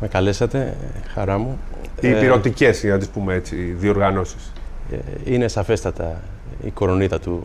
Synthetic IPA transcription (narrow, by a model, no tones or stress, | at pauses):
me̞kɐle̞sɐt̪e̞xɐɾɐmuiːpiɾo̞t̪ice̞snɐt̪ispumeet͡siðio̞ɾɣɐno̞si̥s | ine̞sɐfe̞st̪ɐt̪ɐ | ḭkoɾo̞nit̪ɐt̪u